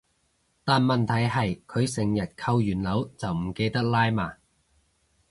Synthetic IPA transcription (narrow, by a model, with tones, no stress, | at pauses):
t̪aː˨˩nmɐ˨nt̪ʰɐ˨˩jɦɐ˨jkʰɵ˨˧ɥsɪ˨˩ŋjɐ˨˩t̚kʰɐ˧wjyː˨˩nlɐ˨˥wt͡sɐ˨wm̩˨˩ke˧jt̪ɐ˥k̚laː˥jmaː˧˩